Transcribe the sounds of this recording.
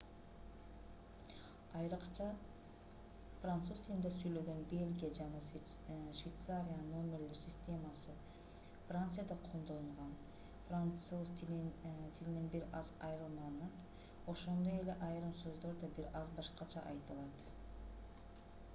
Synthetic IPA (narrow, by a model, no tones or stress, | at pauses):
ɑjɾqɑ | frant̪suzt̪ʰilʲind̪esyjlø̞ɡø̞nbe̞lʲɡʲijad͡ʒɑnɑ | ʃvʲejt̪saɾʲijanno̞mʲe̞rleɾsʲɪsʲt̪ʲe̞masɯ | frant̪sɨjad̪ɑqʰond̪o̞lˠuɴʁɑn | frauzt | t̪ʰilininbiɾɑzɑjɾɯlˠmɑnɑt̪ | o̞ʃo̞nd̪o̞je̞le̞ʔɑjɾɯmsø̞zd̪o̞ɾd̪ɑbiɾɑzbɑʃqɑt͡ʃʰɑʔɑjt̪ɯlˠɑt̪